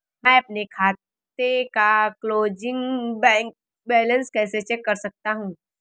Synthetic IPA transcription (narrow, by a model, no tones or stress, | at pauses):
mɛ̃ːɐp̚nekʰaːt̪ekakloːd͡ʒɪ̃ŋbɛ̃ːŋk | bɛːlə̃nskɛːset͡ʃɛkːɐɾsɐk̚t̪aɦũː